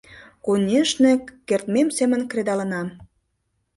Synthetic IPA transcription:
konʲeʃnekert̪memsemə̆nkred̪ɑlə̆nɑm

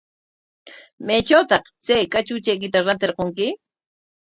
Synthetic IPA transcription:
majt͡ʃawt̪ɑχt͡sajkat͡ʃʊt͡ʃajk̬ɪt̪aɾant̪eɾqoŋkɪ

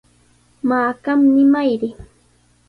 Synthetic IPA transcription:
maːkamnɪmajɾɪ

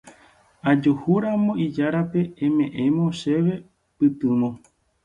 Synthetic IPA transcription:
ad͡ʒohuɾamõ̞id͡ʒaɾape̞ẽmẽ̞ʔẽmõʃe̞ʋe̞ | pɨt̪ɨ̃mõ

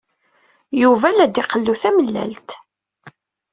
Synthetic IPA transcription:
juvælæd̪iqəlːuθæməlːæ̰lt̪

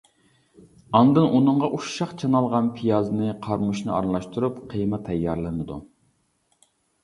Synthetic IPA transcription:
ɑnd̪ɨnʔunɨɴʁɑʔuʃːɑqt͡ʃʰɑnɑlˠʁɑnpʰijɑzɨnɨqʰɑɾmuʃnɨɑ̰ɾlˠɑʃt̪uɾupqʰəjmɑt̪ʰːɛjːɑɾlˠɨnɨd̪ṵ

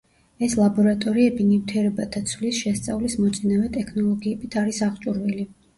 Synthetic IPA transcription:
ɛslˠabɔɾat̪ʼɔɾiɛbinimt̪ʰiɛɾɛbat̪ʰat̪sʰvlisʃɛst̪sʼavlismɔt̪sʼinavɛt̪ʼɛkʰnɔlˠɔɡiɛbit̪ʰaɾisaʁt͡ʃʼuɾvili

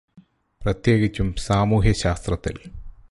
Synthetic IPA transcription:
prɐt̪je̞ːɡit͡ɕːumsaːmuːɦjɐɕaːst̪rɐt̪ːḭl

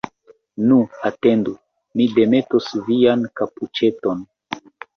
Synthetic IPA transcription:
nuate̞ndu | mide̞me̞tosviankaput͡ʃe̞to̞n

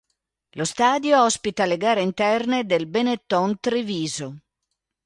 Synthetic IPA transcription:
lost̪aːd̪joɔspit̪aleɡaːɾeint̪ɛrned̪elbenet̪ːɔnt̪ɾiviːzo

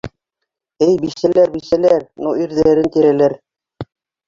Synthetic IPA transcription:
ɘjbiʃælæɾbisælæɾnuiɾðæɾɘnt̪iɾælæɾ

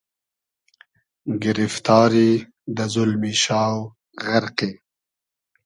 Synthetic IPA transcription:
ɡɪɾɪft̪ɑːɾi | d̪əzʊlmiʃɑːw | ɣaɾqe

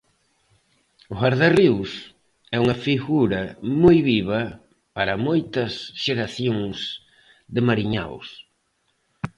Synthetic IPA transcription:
ʊɣaɾðariws | ɛuŋɐfiɣuɾɐmojβiβɐ | paɾɐmojt̪ɐsʃeɾaθjoŋs | ðɪmaɾiɲa̰ws

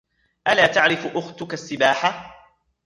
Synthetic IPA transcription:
ʔalaːt̪aʕɾɪfʔʊxt̪ʊkasːɪbaːħa

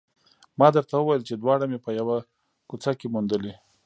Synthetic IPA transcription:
mɑd̪əɾt̪awəwajəlt͡ʃed̪wɑɽamepəjawa | kut͡sakemund̪əle

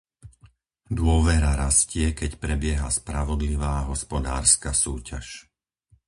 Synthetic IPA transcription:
d̪ʊɔʋɛɾaɾascɪɛkɛcpɾɛbɪɛɦa̰spɾaʋɔd̪liʋaːɦɔspɔd̪a̰ːɾskasuːca̰ʃ

